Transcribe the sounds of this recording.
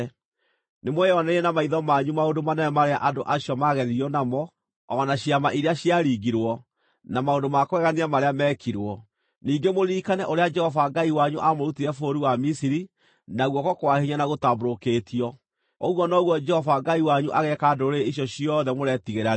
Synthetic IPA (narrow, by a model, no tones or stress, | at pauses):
nemwɛjɔnɛɛnamaiðɔmaɲumaondomanɛɛmaɾeaʔadoʔaɕjɔmaɣɛðiɔnamɔ | ɔnaɕiamaʔiɾeaɕjaɾiːɡiɾwɔ | namaondomakwɛɣaniamaɾeamɛkʰiɾwɔ | niːŋɡemoɾiːkanɛʔoɾead͡ʒɛhɔvaɡaiwaɲuʔamoɾutiɾɛfoɾiwamisiɾi | naɣwɔkɔkowahiɲanaɣotaboɾokeːtʰiɔ | oɣwɔnɔɣwɔd͡ʒɛhɔvaɡaiwaɲuʔaɣɛkaːdoɾeiʃ̬jɔɕiɔðɛmoɾɛtiɣeɾa